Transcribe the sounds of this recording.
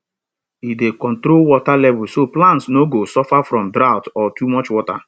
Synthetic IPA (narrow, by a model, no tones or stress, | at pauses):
idekɔ̃ntɾolwɔtalɛvʊsoplãntsnoɡosɔfafɾɔ̃mdɾaʊtɔtumɔt͡ʃwɔta̰